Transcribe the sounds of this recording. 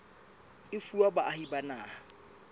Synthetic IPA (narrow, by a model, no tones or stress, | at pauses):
ɪfuabaʔahibanaːha